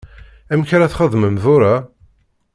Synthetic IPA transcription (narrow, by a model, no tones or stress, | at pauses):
æmçɾæθχəðˤməmðʊɾa